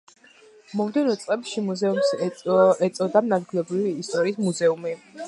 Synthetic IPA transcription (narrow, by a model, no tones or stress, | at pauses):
mɔmd̪ɛnɔt̪sʼqʼɛpʃimuzɛums | ɛt̪sʼɔd̪amnad̪̚ɡilɛbɾiviːst̪ʼɔɾiːsmuzɛumi